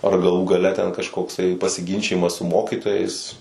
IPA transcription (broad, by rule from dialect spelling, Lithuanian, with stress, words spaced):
ɐr ɡɐˈlˠuː ɡɐˈlʲɛ tʲɛn kɐʃkoːkˈsɐɪ pɐsʲɪˈɡʲɪnʲt͡ʃʲɪjɪmɐs sʊ ˈmoːkʲiːtoːjɛɪs